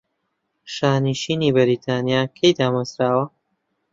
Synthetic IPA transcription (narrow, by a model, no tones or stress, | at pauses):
ʃaːniʃiːniːbɐɾiːt̪ʰaːnjaːkʰejd̪aːmɐzɾaːwɐ